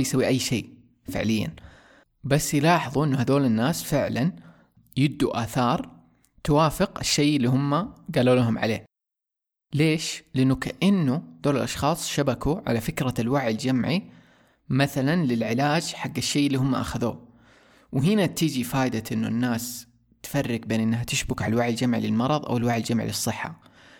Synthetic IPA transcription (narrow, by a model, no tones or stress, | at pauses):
jsawːiʔajːʃḛː | fɪ̰ʕlɪjːa̰n | basːjlɑːħɨðˤuʔɪnːuhaðoːlɪnːaːsfɪʕlan | jɪb̚d̪ːuʔaːθɑːɾˤ | t̪ʊwaːfɪqʔɪʃːeːʔɪlːiːhʊmːaɡaluːlaɦʊmʕa̰lḛː | leːʃlɪʔɪnːukaʔɪnːud̪̥oːlɪlʔɑʃxɑːsˤʃabakuʕa̰lafɪkɾalwaʕɪld͡ʒamʕi | maθalanlɪlʕɪlaːd͡ʒħaɡːaʃːeːʔɪlːiːɦʊmːaʔa̰xaðṵː | wɦɪnat̪iːd͡ʒifaːʔɪd̪aʔɪnːṵnːaːs | t̪fɑrːɪɡ̚beːnʔɪnːɦat̪ɪʃbʊkʕalwaʕjald͡ʒamʕḭlɪlmɑɾˤɑðˤʔa̰wɪlwaʕald͡ʒamʕḭlɨsˤːɨħːa̰